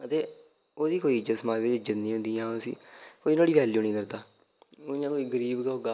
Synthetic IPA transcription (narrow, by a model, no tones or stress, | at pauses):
ət̪eː | oːd̪iːkoːiːɪd͡ʒət̪səmaːd͡ʒʋɪd͡ʒɪd͡ʒət̪nĩːɦʊ̃nd̪ĩːãːosḭːkoːiːnãːɽiːʋɛːljuːnĩːkəɾd̪aː | ãːkoːiːɡəɾiːbkaɦoːɡaː